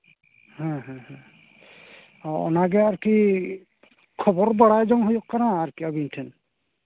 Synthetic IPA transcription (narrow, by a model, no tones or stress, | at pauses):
hãɦãhɛ̃ | ɔɔ̰naɡɛaɹki | kʰɔbɔɹbaɽajzɔŋɦojɔkkːaɾaːɹkiabintʰɛn